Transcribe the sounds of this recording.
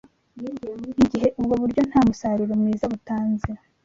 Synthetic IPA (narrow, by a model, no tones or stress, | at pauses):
iɟiɦe̞ʔubɡoβuɾɟo̞n̥haːmusaɾiɾomŋiːzaβutaːnziɾa